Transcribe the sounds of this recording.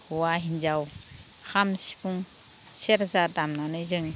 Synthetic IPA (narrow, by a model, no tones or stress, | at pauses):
huwaɦinzaw | xʰamsi̥puŋ | seɾzadamnanɯjzɯŋ